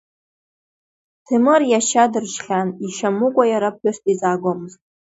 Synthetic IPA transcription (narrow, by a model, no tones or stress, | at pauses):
tʰɨmɨrjaʃadɨrt͡ʃχʲaniʃamɨkʷʼajaɾap̚ħʏstʼizaːɡʷomɨztʼ